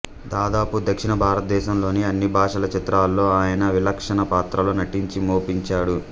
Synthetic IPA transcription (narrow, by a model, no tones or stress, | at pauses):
d̪aːd̪aːpud̪ɐkʂinɐbʱaːɾɐt̪ɐd̪ɛːʃɐmlo̞ːniɐnːibʱaːʂɐlɐt͡ʃit̪ɾaːlːo̞ːaːjɐnɐʋilɐkʂɐnɐpaːt̪ɾɐloːnɐʈiɲt͡ʃimoːpiɲt͡ʃaːɽu